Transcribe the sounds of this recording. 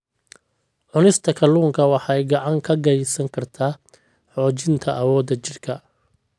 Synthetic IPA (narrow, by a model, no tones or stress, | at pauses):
ʕʊnɪst̪ʰɐkʰɐluːŋkʰɐwɑħɑjɡɑʕɑŋkʰɐɡɛjsɐŋkʰɐrt̪ʰaː | ħɔːt͡ʃɪnt̪ʰɐʔɐwɔːd̪ɐt͡ʃɪrkʰɐ